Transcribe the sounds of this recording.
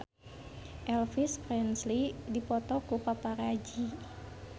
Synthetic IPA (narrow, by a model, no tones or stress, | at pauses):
ʔɛlfispɾɛnslidipɔt̪ɔkupapaɾad͡ʒi